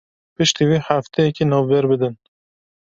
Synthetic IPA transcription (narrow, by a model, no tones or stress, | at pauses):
pɨʃt̪iːwiːħaft̪ʰɛjɛkinɔːvbɛɾbɨd̪ɨn